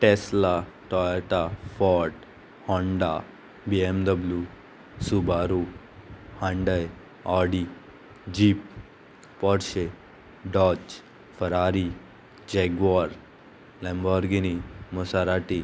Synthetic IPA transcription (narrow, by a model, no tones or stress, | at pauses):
ʈeslaʈɔʈafɔʈ | hɔɳɖa | biemd̪əblju | subaːɾu | hãɳɖəj | aːɖi | d͡ʒiːpː | ɔɾʃe | ɖɔt͡ʃ | fəɾaːɾi | d͡ʒeɡuaɾ | lɛmbɔɾɡinimusaɾaʈi